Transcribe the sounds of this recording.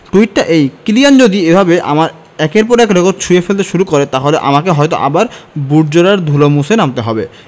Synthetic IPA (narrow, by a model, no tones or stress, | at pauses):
ʈuiʈːaʔejkilijand͡ʑod̪iebʱabeʔa̰maɾ | ɛkeɾp̬ɔɾɛkɾekoɾʈt͡ɕʰuefelt̪̬eʃuɾukoɾet̪aɦoleʔa̰makeɦɔjt̪o̰ʔabaɾbuɾd͡ʑoɾaɾd̪ʱulomusenamt̪eɦɔbe